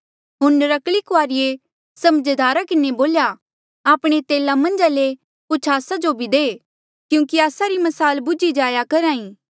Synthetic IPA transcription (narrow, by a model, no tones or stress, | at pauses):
ɦʊnɾɐklikoaːɾɪje | sɐməd͡ʒd̪aːɾakɪneboːlja | aːpɽ̃et̪eːlamɐ̃nd͡ʒale | pʊt͡ʃʰaːsad͡ʒobʱid̪eː | kjũːkiaːsaɾimɐsaːlbʊd͡ʒid͡ʒaːjakɐɾaːĩː